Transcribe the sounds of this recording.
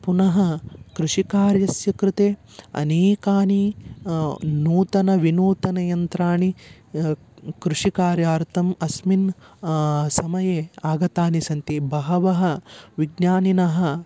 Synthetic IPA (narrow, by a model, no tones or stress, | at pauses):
punɐɦɐkɾuʂikaːɾjɐsjɐkɾɪt̪eː | ɐ̰neːkaːni | nuːt̪ɐnɐʋinuːt̪ɐnɐjɐnt̪ɾaːɳi | kɾuʂikaːɾjaːɾt̪ʰɐmɐsmin | sɐmɐjeːaːɡɐt̪aːnisɐnt̪ibɐɦɐʋɐɦɐ̆ʋiɡnaːninɐɦɐ̆